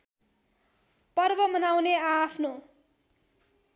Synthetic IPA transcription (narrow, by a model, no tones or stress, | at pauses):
pʌrbʌmʌnawneapʰno